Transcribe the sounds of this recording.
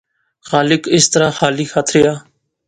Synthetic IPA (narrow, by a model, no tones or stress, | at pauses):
xaːlɪkɪst̪əɾaːxaːliːxʰaːt̪ʰɾɪjaː